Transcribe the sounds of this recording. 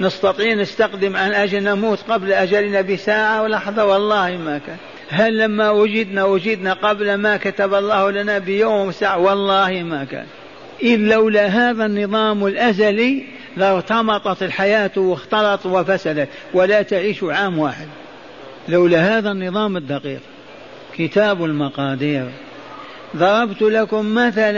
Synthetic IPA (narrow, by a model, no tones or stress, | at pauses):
nɪst̪ɑt̪ˤiːnɪst̪aqd̪ɪmʕanʔad͡ʒɪlnamuːt̪qablʔad͡ʒalnabɪsaːʕawlɑħðˤɑwɑlˤːɑːhimakaːn | ɦalːamːawad͡ʒɪd̪nawʊd͡ʒɪd̪naqablmakat̪abɑlˤːɑːhlanabɪjoːmwɪsaːʕawɑlˤːɑːhimaka̰ːn | ʔɪːawlaɦaːðanːɨðˤɑːmɪlʔazali | ðɑt̪ɑmɑt̪ˤɑt̪ɪlħajaːt̪wɪxt̪ɑlɑt̪ˤwɪfasalat̪ | wɪlat̪aʕiːʃuʕaːmwaːħɪd̪̚ | lawlaɦaːðanːɨðˤɑːmɪd̪ːɑqḭːq | kɪt̪aːbɪlmɑqɑːd̪iːɾ | ðˤɑɾˤɑbt̪lakʊmːaθal